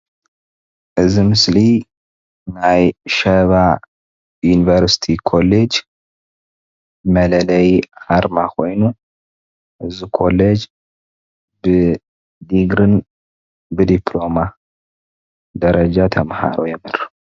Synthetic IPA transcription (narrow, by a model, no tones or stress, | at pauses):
ʔɨzimɨsli | najʃɐβa | junivɐɾsi̥t̪ʰikʰo̞led͡ʒ | mɐlɐlɐjʕaɾmakʰo̞jnu | ʔɨzikʰo̞led͡ʒ | bɨ | d̪iɡɾɨn | bɨd̪ipʰlo̞ma | d̪ɐɾɐd͡ʒat̪ʰɐmha̰ɾojɛmɨɾ